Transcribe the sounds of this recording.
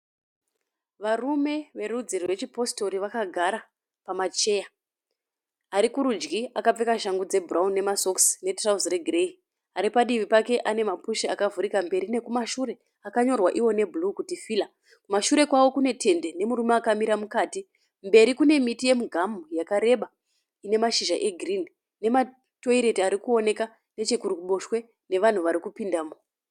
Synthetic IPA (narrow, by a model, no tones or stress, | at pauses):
ʋarume̞ʋe̞rud͡zirwet͡ʃipo̞sto̞ɾiʋakaɡʱaɾa | pamat͡ʃe̞ja | aɾikuɾud͡ʒɡiakap͡fe̞kaʃaŋɡud͡ze̞buraunːe̞maso̞ksne̞trausre̞ɡʱrei | aɾipaɗiʋipake̞ʔane̞mapuʃiakavuɾikambe̞ɾine̞kumaʃuɾe̞ | akaɲo̞rwaʔiwo̞ne̞bulukutifiːla | kumaʃuɾe̞kwawo̞kune̞tʰe̞nde̞ne̞muɾumeakamiɾamukaːti | mbe̞ɾikune̞mitije̞muɡʱamujakaɾe̞ɓa | ine̞maʃiʒaʔe̞ɡʱirini | ne̞ma | to̞iɾe̞tiaɾikuo̞ne̞ka | ne̞t͡ʃekuɾukuɓo̞ʃwe̞ | ne̞ʋan̤uʋaɾikupindaːmo